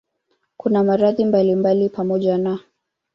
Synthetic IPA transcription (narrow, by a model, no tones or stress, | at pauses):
kunamaɾaðimbalimbalipamɔʄana